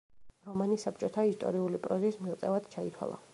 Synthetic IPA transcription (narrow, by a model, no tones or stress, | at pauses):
ɾɔmanisap̚ʰt͡ʃʼɔt̪ʰaist̪ʼɔ̰ɾiulipʼɾɔzismilt̪sʼɛvad̪̥t͡ʃʰait̪ʰwa̰lˠa̰